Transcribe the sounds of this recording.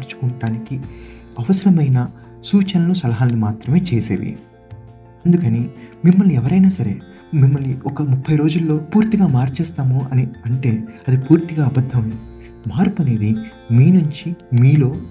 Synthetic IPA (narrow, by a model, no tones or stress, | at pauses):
ɾt͡ʃu̥kuɳʈaːnikiɐʋɐsɐɾɐmɐjnɐ | suːt͡ʃɐnɐlusɐlɐɦaːlːimaːt̪ɾɐme̞ːt͡ʃeːsḛːʋḭ | ɐnd̪ukɐnimimːɐlniɛʋɐɾɐjnaːsɐɾḛː | mimːɐlniɔkɐmupʰːɐjɾo̞ːd͡ʒulːo̞ːpuːɾt̪iɡaːmaːɾt͡ʃɛːst̪aːmoʔɐniɐɳʈe̞ːɐd̪ipuːɾt̪iɡaːɐbɐd̪ʱːɐm | maːɾkuneːd̪i | miːnuɲt͡ʃimiːlo̞ː